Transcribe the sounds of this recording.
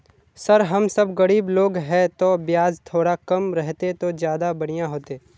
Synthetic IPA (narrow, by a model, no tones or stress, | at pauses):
sɐɾɦɐmsɐbɡɐɽiːbloːɡɦɛt̪objaːzt̪ʰoːɽakɐmɾɛɦt̪et̪od͡ʒjaːd̪abɐɽ̃ijaɦoːt̪eː